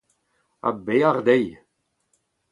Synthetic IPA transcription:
a̰beːaʁd̪ej

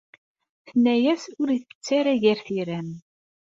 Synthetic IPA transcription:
θənːæjæsʊɾiθə̥t͡sːæɾæʝæɾθiɾæn

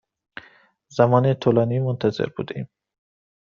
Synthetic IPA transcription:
zæmɒːnet̪ʰolɑːniːmont̪ʰæzḛɾbṵːd̪eiːm

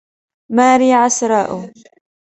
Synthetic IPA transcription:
maːɾiːʕasɾˤɑːʔʊ

